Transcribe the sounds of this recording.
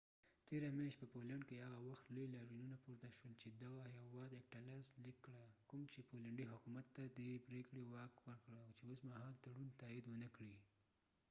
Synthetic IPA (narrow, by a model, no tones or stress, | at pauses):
t̪eɾamjɑʃt̪pəpolaɳɖkehaɣawaxt̪ləjlɑɾinunapoɾt̪aʃwəlt͡ʃed̪aɣahawɑd̪ek̚ʈalazlikːɽakʊmt͡ʃepolaɳɖiɦʊkumat̪ːad̪əpɾekɽewɑkwəɾkɽawt͡ʃeosmaɦɑlt̪aɽunt̪ɑid̪wənəkɽi